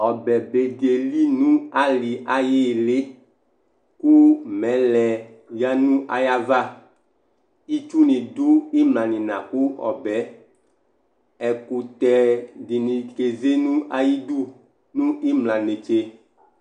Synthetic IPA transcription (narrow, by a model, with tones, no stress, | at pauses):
ɔ˨bɛ˨be˨de˨li˦nũ˦a˦li˨ʔa˨ji˦˨le˦ | ku˦mɛ˨˦lɛ˨ | ja˦nũ˦ʔa̰˨ja˦va˦ | i˦t͡ʃu˦nĩ˨du˦i˦mlã˨nĩ˨nã˨ku˦ɔ̰˨bɛ˨˦ | ɛ˨ku˨t̪ɛ˨di˨nĩ˨ke˨ze˦nũ˦ʔa˦ji˦d̪u˦ | nũ˦i˦mlã˨ne˨t͡ʃe˦